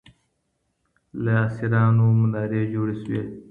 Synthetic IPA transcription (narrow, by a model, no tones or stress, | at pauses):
leaːsiɾɑːnumunaːɾeːd͡ʒoːɽeswe